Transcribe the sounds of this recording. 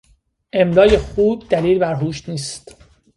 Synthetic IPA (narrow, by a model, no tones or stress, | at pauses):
ʔe̞md̪ɒːje̞xuːb̚d̪̥æliːlbæɾɦuːʃniːst̪